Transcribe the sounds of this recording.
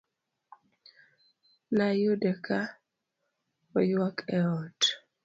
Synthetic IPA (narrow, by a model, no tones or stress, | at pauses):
najodɛkʰa | ɔjwakɛɔt